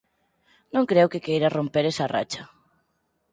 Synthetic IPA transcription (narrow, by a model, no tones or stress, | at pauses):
nõŋkɾewkɪkejɾɐrompeɾesɐra̰t͡ʃɐ